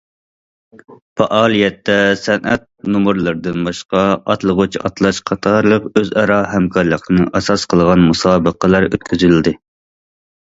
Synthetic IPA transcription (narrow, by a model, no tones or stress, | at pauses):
pɑʔɑːlˠijɛt̪ːɛsɛnʔɛt̪̚numuɾlˠɨɾd̪ɨnbɑʃqɑɑ̰t̪lˠəʁut͡ʃʰɑ̰t̪lˠɑʃqʰɑt̪ʰɑɾlˠəqøzɑɾɑɦɛmkʰɑɾlˠəqnɨʔɑsɑsqʰəlˠʁɑnmusɑːbəqəlˠɑɾøt̪̚kʲʰyzyld̪ɪ